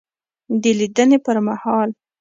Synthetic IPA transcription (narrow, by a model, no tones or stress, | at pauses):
d̪əlid̪ənepəɾmahɑl